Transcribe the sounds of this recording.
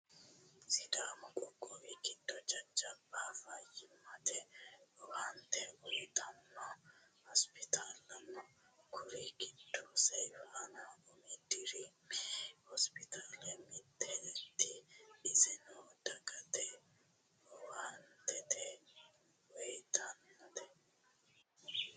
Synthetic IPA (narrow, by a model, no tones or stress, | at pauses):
sɪd̪aːmɔkʼɔkʼːɔwikɪd̪ːɔd͡ʒɐd͡ʒːɐbaːfajɪmːɐt̪ɛɔwaːnt̪ɛwɔjt̪ɐnːɔhɔspɪt̪ʰaːlːɐnːɔ | kʰʊɾikɪd̪ːɔsɛjfʔanaʔʊmɪd̪ɪɾi | hɔspɪt̪ʰaːlɛmɪd̪ːɛɛt̪ːɪɪzɪnɔd̪ɐɡɐt̪ɛ | ɔwaːnt̪ɛt̪ɛ | wɔjt̪ʰɐnːt̪ɛ